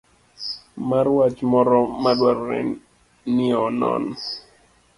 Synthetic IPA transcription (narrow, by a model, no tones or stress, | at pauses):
marwat͡ʃmɔɾɔmadwarːɛ̰n | nɪɔnɔ̰n